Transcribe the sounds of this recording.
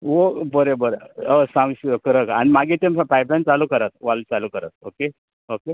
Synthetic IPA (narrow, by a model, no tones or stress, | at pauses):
ʋobəɾebəɾeəsãwsikəɾəka̰ñimaɡet̪empajplant͡salukəɾət̪̚ʋalt͡salukəɾa̰t̪̚oke | oke